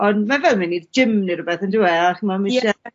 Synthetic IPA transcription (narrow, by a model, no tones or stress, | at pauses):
ɔndmavɛlˠmɪnidd͡ʒɪmniɾʊbɛθəndɪwɛaχimamɪʃɛ